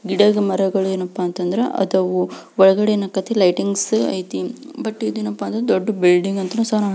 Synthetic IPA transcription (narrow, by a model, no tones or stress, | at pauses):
ɡiɽɐɡɐmɐɾɐɡɐɭueːnɐpːaːnt̪ɐnd̪iɾeʔɐ̰d̪ɐʋuɔɭɐɡɐɽenɐkːɐt̪ːelɐjʈiŋɡsɐ̰jt̪ibɐʈːid̪eːnːɐpːaːnd̪ɐɾd̪oɖːɐbilɖiŋɡɐnt̪ɐnũːsaːɾa